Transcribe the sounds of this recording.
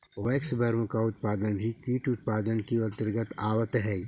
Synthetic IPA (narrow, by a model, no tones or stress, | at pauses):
ʋeːksbʱɐɾõkaʊt̪paːd̪ənbʱikiːʈʊt̪̚paːd̪ənkiɐt̪əɾɡət̪aːwət̪ɦɛː